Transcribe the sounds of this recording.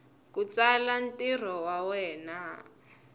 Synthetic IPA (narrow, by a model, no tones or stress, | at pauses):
kut͡salan̩tir̤ɔwawɛːna